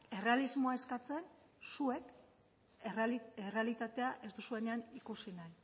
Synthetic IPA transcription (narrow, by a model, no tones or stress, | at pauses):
e̞re̞alizmo̞aeskat͡se̞n | sue̞k | ere̞alit̪at̪e̞aʔe̞zd̪usue̞ne̞anikusinaj